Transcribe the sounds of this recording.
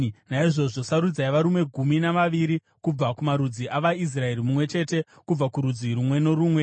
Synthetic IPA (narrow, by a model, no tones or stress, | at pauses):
naiʐo̞ʐo̞saɾud͡zaiʋaɾumwe̞ɡʱuminaʋaʋiɾi | kub͡vakumaɾud͡ziʔaʋais̬rae̞ɾimumwe̞t͡ʃe̞te̞ | kub͡vakuɾud͡ziɾumwe̞no̞ɾuːmwe̞